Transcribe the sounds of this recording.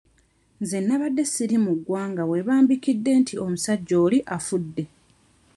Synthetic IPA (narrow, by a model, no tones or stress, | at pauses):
nzenːaβadːe̞siɾimuɡwaːŋɡawe̞βaːmbikidːe̞ːntʰio̞musaɟːo̞ːliʔafudːe̞